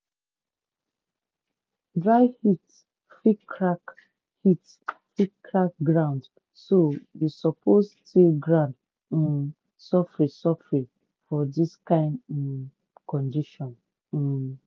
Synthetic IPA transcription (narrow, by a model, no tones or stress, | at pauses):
dɹaɪhit | fikɹak | hit | fikʰːɹak̚ɡɹãʊ̃nd | sowisɔpʰostʰilɡɹãʊnd̩ | sɔfɹesɔfɹe | fɔdiskãɪ̃nd̩̃ | kɔ̃ndiʃɔ̃n̩